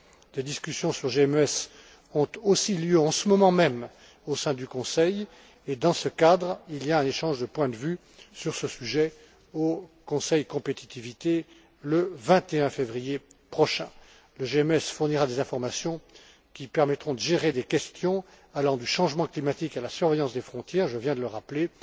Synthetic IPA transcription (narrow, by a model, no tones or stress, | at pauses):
d̪ed̪iskʲysjɔ̃syʁʒeɛmøɛs | ɔ̃t̪osiljøɑ̃səmɔmɑ̃mɛm | osɛ̃d̪ykɔ̃sɛj | ed̪ɑ̃səkad̪ʁiliaɛ̃neʃɑ̃ʒd̪əpwɛ̃d̪əvy | syʁsəsyʒɛ | okɔ̃sɛjkɔ̃pet̪i̥t̪ivit̪e | ləvɛ̃t̪eɛ̃fevʁijepχɔʃɛ̰̃ | ləʒeɛmɛsfuʁniʁad̪ezɛ̃fɔʁmasjɔ̃ | kʲipɛʁmɛt̪χɔ̃d̪əʒeʁed̪ekʲɛst̪jɔ̃ | alɑ̃d̪yʃɑ̃ʒmɑ̃klimat̪ikalasyʁvɛjɑ̃sd̪efχɔ̃t̪jɛːʁʒəvjɛ̃d̪ələʁaple